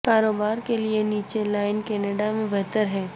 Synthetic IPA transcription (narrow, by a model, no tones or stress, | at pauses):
kaːɾoːbaːɾkelieniːt͡ʃelaːɪnkɛːneɖamẽbɛɦt̪əɾɦɛː